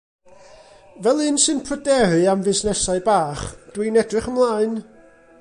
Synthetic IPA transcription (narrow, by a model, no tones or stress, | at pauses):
vɛlˠɨnsɨnpʰrədɛɾɨamvɪsnɛsaɨbaːχd̥winɛdrɨχəmlˠaːɨn